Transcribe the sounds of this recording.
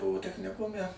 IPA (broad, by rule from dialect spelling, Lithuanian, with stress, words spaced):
ˈbʊʋoː tʲɛxʲnʲɪˈkʊmʲɛ